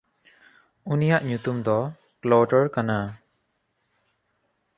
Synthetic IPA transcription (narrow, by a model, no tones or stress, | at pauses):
unijaʔɲut̪umd̪ɔ | klɔʈɔɾkana